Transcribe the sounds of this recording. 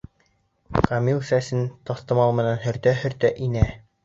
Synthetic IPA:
kʰɑmilˠsæsɘnt̪ɑθt̪ɤ̆mɑlˠmɘ̆nænɦɵ̆ɾt̪œɦɵ̆ɾt̪œʔinæ

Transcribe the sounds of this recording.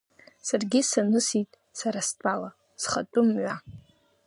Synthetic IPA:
sarɡʲisanɨsitʼ | saɾastʼala | sχatʼʊmɥʷa

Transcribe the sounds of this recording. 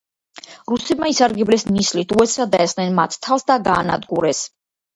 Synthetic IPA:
ɾusɛbmaisaɾɡɛblɛsnislit̪ʰuɛsad̪aɛsnɛnmat̪ʰt̪ʰalˠsd̪aɡaːna̰d̪ɡuɾɛs

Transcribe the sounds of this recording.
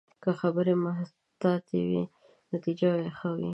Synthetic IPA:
kəxabəɾemaɦ | t̪ɑt̪ḛwḭ | nat̪id͡ʒawexəwḭ

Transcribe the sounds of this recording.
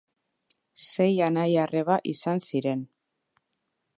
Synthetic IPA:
se̞janajare̞βaʔisansiɾe̞n

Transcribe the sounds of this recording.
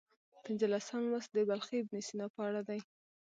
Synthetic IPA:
pɪnzəlasanwasd̪əbalxebnisinapəaɽad̪aj

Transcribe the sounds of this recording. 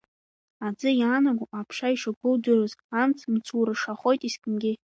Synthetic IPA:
ad͡zɨjaːnaɡʷuapʰʂaiʂaɡʷʊldɨrozamt͡sʰmt͡sʰuɾɨʂaχo̞jtʼiskʰʼɨmɡʲɪ

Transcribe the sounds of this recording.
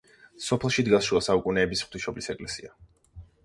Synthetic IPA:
sɔpʰlˠʃid̪ɡasʃuasaukʼunɛːbisχt̪ʰiʃɔblisɛkʼlɛsia

